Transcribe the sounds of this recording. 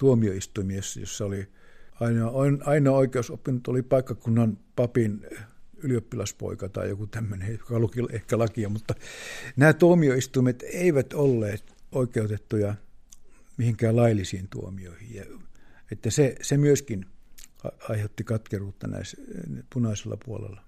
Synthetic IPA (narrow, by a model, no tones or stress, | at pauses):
t̪uomioist̪uimisːjo̰sːɑoli | ɑinɑoinɑinɑoikeosopːinut̪olipɑikːɑkunːɑnpɑpinyliopːilɑspo̰ikɑt̪ɑ̰ḭjokut̪æmːønejokɑlukilehkælɑkiɑmut̪ːɑnæːt̪uomioist̪uimet̪eiʋæt̪olːeːt̪oikeut̪et̪ːujɑ | mihiŋkæːlɑilːisiːnt̪uomio̰ihijjɑet̪ːæsesemyøskinɑ̰ɑiheut̪ːikɑt̪keruːt̪ːɑ̰næ̰ispunɑiselːɑ̰puolḛlːˑɑ